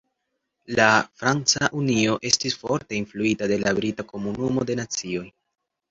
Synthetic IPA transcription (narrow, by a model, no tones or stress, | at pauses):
lafɾant͡saʔunio̞ʔe̞stisfo̞ɾte̞influitade̞labɾitako̞munumo̞de̞nat͡sio̞j